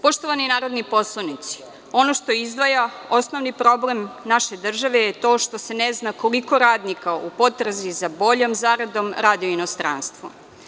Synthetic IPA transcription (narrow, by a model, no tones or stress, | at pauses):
po̞ʃt̪oʋaninaːɾod̪nipo̞slˠanit̪si̥ | o̞no̞ʃt̪oizd̪ʋaja | o̞snoʋnipɾo̞blemnaʃe̞d̪r̩ʒaʋe̞jet̪o̞ːʃt̪o̞se̞neznako̞liko̞ɾaːd̪nikaupo̞t̪ɾazizabo̞ʎo̞mzaːɾad̪o̞mɾad̪ioino̞st̪ɾa̰ːnst̪ʋo